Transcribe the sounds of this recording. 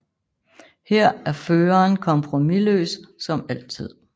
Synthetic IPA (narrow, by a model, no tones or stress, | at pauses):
hɛɐ̰æɐføːɐːnkʰɒ̽mpʰʁo̝milø̰ːssɒ̽mæl̰t͡sʰið̰ˠ